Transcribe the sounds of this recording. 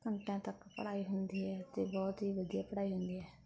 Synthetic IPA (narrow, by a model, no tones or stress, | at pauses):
kəɳʈãːt̪əkpə̰ɽaːiːɦʊnd̪iːɦɛːt̪eːbɔːt̪ɦiːʋəd̪ijaːpəɽaːiːɦʊnd̪iːɦɛː